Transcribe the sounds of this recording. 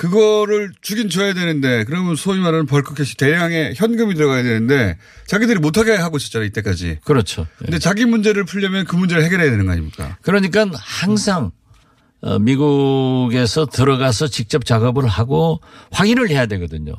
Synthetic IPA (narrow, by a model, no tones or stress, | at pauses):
kɯɡʌɾɯɭt͡ɕuɡint͡ɕʌjadwe̞nɯnde̞kɯɾʌmjʌnsʰoimaɾanɯnpʌɭkʰɯkʰeɕʰi̥te̞ɾjaŋe̞çjʌnɡɯmitɯɾʌɡajadwe̞nɯnde̞ | t͡ɕaɡidɯɾimotʰaɡejɦaɡoɕʰi̥t͡ɕ͈aɾait͈e̞k͈ad͡ʑḭkɯɾʌt͡ɕʰoɯnde̞t͡ɕaɡimund͡ʑe̞ɾɯɭpʰuʎːʌmjʌnkɯmund͡ʑe̞ɾɯɭhɦe̞ɡjʌɾɦejadwenɯnɡʌa̰ɲimɲik͈a̰kɯɾʌɲik̬͈anhaŋsʰaŋ | ʌ̰miɡuɡe̞sʰʌtɯɾʌɡasʰʌt͡ɕik̚t͡ɕ͈ʌp̚t͡ɕaɡʌbɯɭɦaɡoɸwaɡinɯɭhe̞jadwe̞ɡʌdɯɲo̰